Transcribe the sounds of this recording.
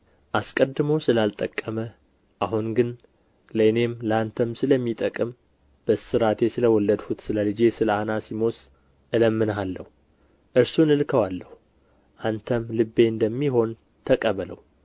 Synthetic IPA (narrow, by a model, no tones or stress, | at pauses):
ʔaskʼəd̪ːɨməwsɨlalt̪ʼəkʼːəmə | ʔaɦunɡɨn | ləɨne̞mlant̪ʰəmsɨləmːit̪ʼəkʼɨm | b̥əsɨɾat̪ʰe̞sɨləwɔlːəd̪hut̪sɨləlɨd͡ʒe̞sɨləanasimo̞s | ʔɨləmːɨnɦalːəhu | ʔɨɾsunɨlkʰəwalːəhu | ʔant̪ʰəmlɨbːe̞ɨnd̪əmːiɦo̞n | t̪ʰəkʼəβələ̰w